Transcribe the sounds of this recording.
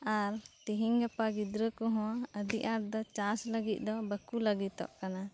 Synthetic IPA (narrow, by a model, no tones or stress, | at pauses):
aɾt̪iɦiŋɡɛpaɡid̪ɾəkɔɦɔ̃aəd̪iʔaɾd̪ɔt͡ʃãsləɡit̪̚ˀd̪ɔbəkuləɡit̪ɔ̰ʔkana